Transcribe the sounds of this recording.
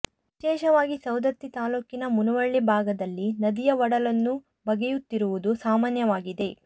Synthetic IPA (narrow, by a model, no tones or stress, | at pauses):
ʋ | iʃɛːʃɐʋaːɡisɐwd̪ɐt̪ːit̪aːluːkinɐmunuʋɐɭːibʱaːɡɐd̪ɐlːinɐd̪ijɐʋɐɽɐlɐnːu | bɐɡɛjut̪ːiɾuʋud̪usaːmaːnjɐʋaːɡid̪e̞